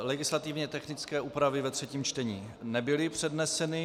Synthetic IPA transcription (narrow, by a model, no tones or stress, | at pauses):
lɛɡɪslat̪ɪvɲɛt̪ɛxnɪt͡skɛːʔuːpɾavɪvɛt̪r̝̥ɛciːmt͡ʃt̪ɛɲiː | nɛbɪlɪpr̝̥ɛdnɛsɛnɪ